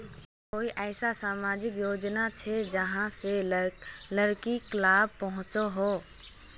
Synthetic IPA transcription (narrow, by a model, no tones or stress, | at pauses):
koːiʔɛːsasaːmaːd͡ʒɪkjoːd͡ʒnat͡ʃʰɛd͡ʒəɦãse | ləɾkiklaːb̚pəɦʊ̃t͡ʃoɦoː